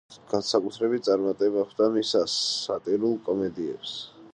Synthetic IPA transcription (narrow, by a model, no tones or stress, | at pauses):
ɡ̥ansakʼut̪ʰɾɛbit̪t̪sʼaɾmat̪ʼɛbaχʰd̪amisasat̪ʼiɾulˠkʼɔmɛd̪iɛps